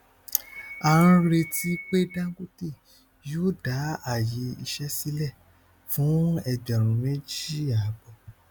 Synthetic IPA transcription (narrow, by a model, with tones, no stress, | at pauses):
a˨ɾ̃ã˧ɾe˧tʰi˦k͡pe˦dã˦ɡu˦te˦˨ | jo˦˨da˨˦a˦˨je˨˦i˧ʃɛ˦si˦lɛ˦˨ | fũ˨˦ɛ˧ɡ͡ba˨ɾ̃ũ˨˦mẽ˦d͡ʒi˦˨a˨˦bɔ˧˨